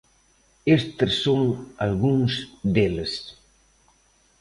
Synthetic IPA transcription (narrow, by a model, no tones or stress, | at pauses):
est̪ssːoŋalɣuŋsd̪eles